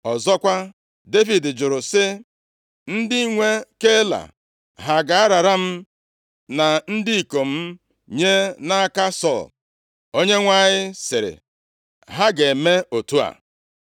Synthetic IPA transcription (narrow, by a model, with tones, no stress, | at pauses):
ɔ˨zɔ˦kʷa˦ | de˦vi˨dɪ˨d͡ʒʊ˨ɾʊ˨sɪ˦ | n̩˦dɪ˦i˦ŋʷe˦ke˦la̰˨ | ɦa˨ɡa˨a˦ɾa˨ɾa˦m̩˦ | na˨n̩˦dɪ˦i˨ko˨m̩˦ | ɲe˦na˦a˦ka˦sɔ˦˨l | o˦ɲe˦ŋʷa˦˨ɲɪ˦sɪ˨ɾɪ̰˨ | ɦa˦ɡe˨me˦o˨tu˦a̰˨